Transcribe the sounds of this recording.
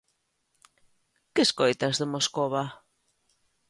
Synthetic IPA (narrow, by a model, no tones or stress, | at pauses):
kɪskojt̪azðemoskoβa